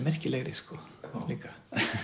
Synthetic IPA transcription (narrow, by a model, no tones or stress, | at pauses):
mɛr̥cɪlɛɣɾɪskɔliːka